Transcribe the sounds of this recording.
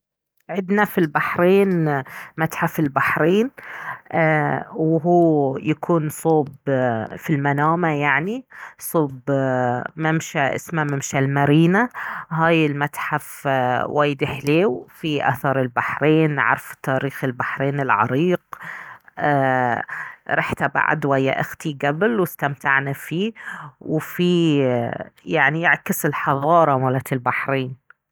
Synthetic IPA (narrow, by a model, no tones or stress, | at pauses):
ʕɪd̪nafilbaħɾeːnmat̪ħafɪlbaħɾeːn | wɦuːjakʰuːnsˤoːbfilmanaːmajaʕnisˤoːb | mɪmʃaʔɪ̰smamɪmʃalmaɾiːnaɦaːjɪlmat̪ħafwaːjɪd̪ɪħleːwfiʔa̰θɑɾˤɪlbaħɾeːnʕɑ̰ɾˤft̪ːaːɾiːxɪlbaħɾeːnɪlʕɑ̰ɾiːqː | ɾˤɑħt̪aba̰ʕa̰d̪wajːa̰ʔɪxt̪iɡablwɪst̪amt̪aʕnafiːwɪfi | jaʕnijɪʕkɪsɪlħɑðˤɑːɾˤɑmalat̪ɪlbaħɾeːn